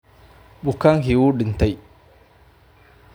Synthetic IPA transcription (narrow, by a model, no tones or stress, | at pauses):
ɓukːaŋhiwuːɗint̪aj